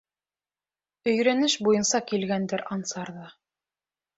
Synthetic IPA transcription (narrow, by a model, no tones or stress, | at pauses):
ɵ̆jɾænɘʃbujɤnsɑkilɡænd̪ɘɾʔɑnsɑɾðɤ